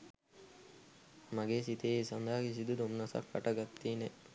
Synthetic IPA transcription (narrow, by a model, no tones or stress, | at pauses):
maɡeːsit̪eːisɐnd̪aɦɐkis̬id̪ud̪omnɐsɐ̰kfɐʈɐɡat̪ːiːne